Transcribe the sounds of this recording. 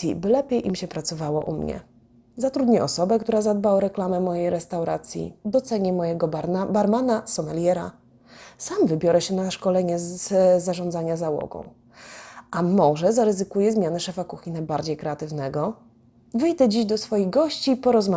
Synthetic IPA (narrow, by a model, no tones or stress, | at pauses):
ḭbɘlɛpʲjejʔimɕɛpɾat̪sɔvawɔ̰ʔṵmɲɛ̰ | zat̪ɾud̪ɲɛʔɔsɔbɛkt̪uɾazad̪̚baɔɾɛklamɛmɔjejɾɛst̪awɾa̰t̪sʲjḭd̪ɔt̪sɛɲɛmɔjɛɡɔbaɾmanasɔmɛlʲjɛɾa̰ | samvɘbʲjɔɾʔɛɕɛnaʂkɔlɛɲɛzaʐɔ̃nd̪zaɲazawɔ̰ɡɔ̰̃w̃ | ʔamɔʐɛzaɾɘzɘkujɛzmʲjanɛʂɛfakuxʲinajbaɾd͡ʑejkɾɛat̪ɘvnɛɡɔ | vɘjd̪ɛd͡ʑiʑd̪ɔsfɔjiɣɡɔɕt͡ɕiːpɔɾɔzma